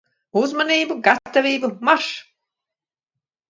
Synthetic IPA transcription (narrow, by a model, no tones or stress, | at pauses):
uzmaniːbuɡat̪ːavʲiːbumaʃ